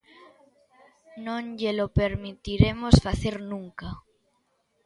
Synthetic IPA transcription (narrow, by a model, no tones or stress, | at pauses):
nõŋʎelopeɾmit̪iɾemosfaθeɾnũŋka